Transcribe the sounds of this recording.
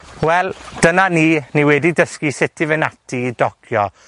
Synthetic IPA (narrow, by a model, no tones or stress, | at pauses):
wɛlˠd̥ənaniːniwɛdidəskisɪtʰivɨnatʰidɔkʰjɔ